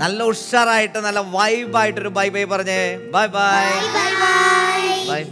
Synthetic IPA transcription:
nɐlːɐuʂaːraːjiʈːɨnɐlːɐʋɐjbaːjiʈːoɾubɐjbɐjpɐrɐɲːɨbɐjbaj | bɐj

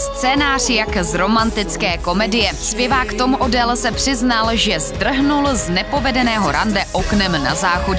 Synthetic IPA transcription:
st͡sɛːnaːr̝̥jakzɾo̞mant̪ɪt͡skɛːko̞mɛdɪjɛspjɛvaːkt̪o̞muʔodɛlsɛpr̝̥ɪznalʒɛzd̪r̩ɦnulznɛpo̞vɛdɛnɛːɦo̞ɾʔandɛʔo̞knɛmna̰zaːxodɛ

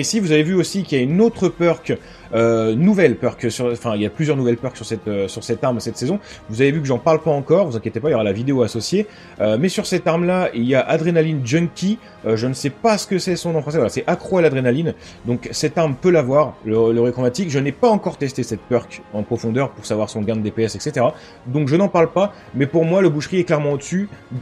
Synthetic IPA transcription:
esivuzavevyosikʲiljaynot̪χəpœʁk | ønuvɛlpœʁksyʁ̃fɛ̃iljaplyzjœʁnuvɛlpœʁksyʁsɛt̪øsyʁsɛt̪aʁmsɛt̪sezɔ̃vuzavevykəʒɑ̃paʁlpaɑ̃kɔʁvuzɛ̃kjet̪epailjɔʁalavid̪eoasɔsje | ømɛsyʁsɛt̪aʁmlailjaʔad̪ʁenalind͡ʒœnkʲi | øʒənsɛpasə̥kəsɛsɔ̃d̪ɑ̃fχɑ̃s̬ɛvwalasɛʔakχwalad̪ʁenalin | d̪ɔ̃ksɛt̪aʁmpølavwaʁlələʁekχɔmat̪ikʒənɛpaɑ̃kɔʁt̪ɛst̪esɛt̪̚pœʁkɑ̃pχɔfɔ̃d̪œʁpuʁsavwaʁsəɔ̃ɡãnd̪epeɛsɛkset̪eʁa | d̪ɔ̃kʒənɑ̃paʁlpa | mɛpuʁmwaləbuʃʁiɛklɛʁmɑ̃od̪əsy

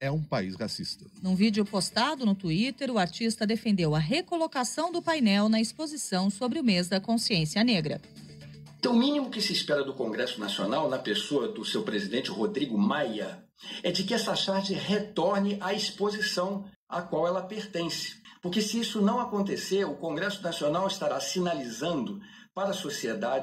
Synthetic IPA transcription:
ɛũpaishasist̪ɐ̥nũvid͡ʒɪʊpost̪ad̪ʊnʊt̪uit̪eɾʊaɾt͡ʃist̪ɐd̪efẽnd̪ewɐɦekolokasɐ̃w̃d̪ʊpajnɛwnɐispozisɐ̃w̃sobɾɪʊmezd̪ɐkõsiẽsiɐneɡɾɐ̰̃ | t̪ɐ̃w̃ʊmĩnimʊkɪsɪispɛɾɐd̪ʊkõŋɡɾɛsʊnasio̰nawnɐpesoɐd̪ʊsewpɾezid̪ẽnt͡ʃɪhod̪ɾiɡʊmajɐ | ɛd͡ʒɪkɪɛsɐʃaɾd͡ʒɪɦet̪ɔɾnɪʔɐispozisɐ̃w̃ | akwawɛlɐpeɾt̪ẽsɪ̥pʊɾkesɪisʊnɐ̃w̃akõnt̪̬eseɾʊkõɡɾɛsʊnasionawɪst̪aɾasinalizɐ̃nd̪ʊ | paɾɐsosied̪a

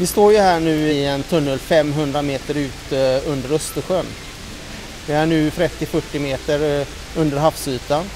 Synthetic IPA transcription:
vɪst̪oːɾjɵɦæːɳʉ̟ːɪɛnt̪ʰɵnːəlfɛmːɦɵnd̪ɾameːt̪əɾʉ̟ːt̪ɵnd̪əɾɵst̪əɧœn | vɪæɳʉ̟ːt̪ʰɾɛt̪ːɪfœʈːɪmeːt̪əɾ | ɵnd̪əɾɦafsyːt̪an

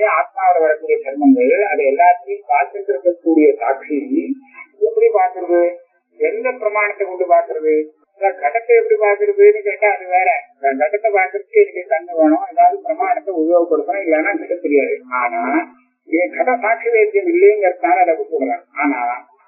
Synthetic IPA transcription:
eaːt̪̚maːʋɐɾɐʋɐɾɐkːuːɽɪjɐsɐɾmɐŋɡɐɭɐðɯɛlːaːt̪ːɐjɯ̃paːɾk̪ɯnd̪ɯɾɯkːɐkːuːɽɪjɐsa̰ːkʂi | ɛpːɐɽipaːɾk̪ɯɾɐðɯ | ɛnd̪ɐpɪɾɐmaːnɐt̪ːɐkɔɳɖɯpaːɾk̪ɯɾɐðɯ | nakɐʈɐt̪ːɛɛpːɐɽipaːɾk̪ɪɾɯpːɯnːɯkeːʈːaːɐðɯʋeːɾɛɡɐʈːɐt̪ːɐpaːɾkɯɾɐt̪ːɯɛnɪkːɐkɐnd̪ɐʋɐɳõɛðaːʋɐðɯpɪɾɐmaːnɐt̪ːɛʊðjoːɣɐpːɐɽɯkːɐnʊ̃ɪlːɐnaːɡʱɐʈːɐt̪ːɛɾɪjaːðɯaːnaː | ɛɡʱɐʈɐ̃saːkʂiʋeːt̪ːɐjɐmɪlːɛjɐŋɡɐɾɯk̪ːnaːlɐɐðɐkːɯkuːɽɐɾãːaːnaː

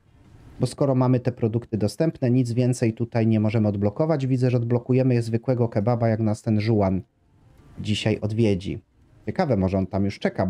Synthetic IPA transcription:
bɔskɔɾɔmamɘt̪ɛpɾɔd̪ukt̪ɘd̪ɔst̪ɛmpnɛɲid̪zvʲjɛnt̪sɛjt̪ut̪ajɲɛmɔʐɛmɘɔd̪blɔkɔvad͡ʑvʲid̪zɛʐɛɔd̪̚blɔkujɛmɘjɛzvɘkwɛɡɔkɛbabajaknast̪ɛnʐuwan | d͡ʑiɕajʔɔd̪vʲjed͡ʑḭ | t͡ɕɛkavɛmɔʐɛɔnt̪amjuʂt͡ʂɛka

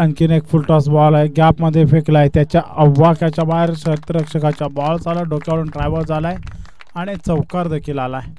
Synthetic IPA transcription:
ankinekfulʈɔsbɔlaeɡapməd̪ʱːjefeklaet̪jat͡ɕjaʔəʋːakjat͡ɕjabaɦeɾɕət̪əɾəkʂəkat͡ɕjabɔlsalaɖokjaʋəɽuːnʈɾajʋəɾd͡zʱala | aɽ̃it͡səwkaɾd̪ekʰiːlalaɦe

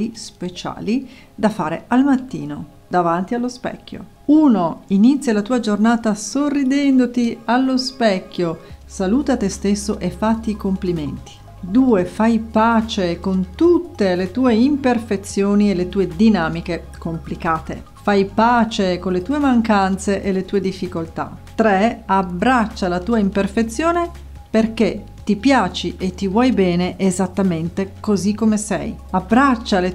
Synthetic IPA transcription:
ispet͡ʃa̰ːli | d̪afaːɾḛalmat̪ːḭːno | d̪avant̪ialːospɛ̰kʲːo̰ | unoinit̪sːjalat̪uːad͡ʒornaːt̪asorːid̪ɛnd̪ot̪ialːospɛkʲːjosaluːt̪at̪est̪esːoʔefːat̪ːikompliment̪i̥ | d̪uːefajpaːt͡ʃekont̪ut̪ːelet̪uːeimperfet̪sːjoːnielet̪uːed̪inaːmike | komplikaːt̪ḛ | fajpaːt͡ʃekonlet̪uːemaŋkant̪seʔelet̪uːed̪ifːikolt̪a̰t̪ɾeabɾat͡ʃːalat̪uːaimperfet̪sːjoːne | perk̟e | t̪ipjaːt͡ʃiʔet̪ːivwɔjbɛːneʔezat̪ːament̪ekozikːomesɛ̰jabːɾat͡ʃːale

